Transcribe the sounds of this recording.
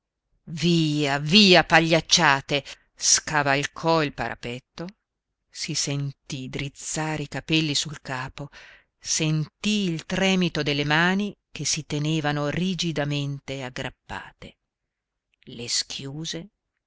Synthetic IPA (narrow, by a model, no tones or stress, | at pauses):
viːaviːapaʎːat͡ʃːaːt̪e | skavalkʰɔilpa̰ɾa̰pɛt̪ːo | sisent̪id̪ɾit̪saːɾeikapɛlːisulkaːpo | sent̪iːlt̪ɾɛːmit̪od̪elːemaːnikesit̪eneːvanorid͡ʒid̪ament̪eaɡːɾʔapːa̰ːt̪e | leskʰjuːze